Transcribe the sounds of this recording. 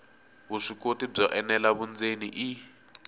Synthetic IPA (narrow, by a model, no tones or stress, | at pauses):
βuʂikotib͡ʐɔʔɛnɛlaβund͡zeniʔi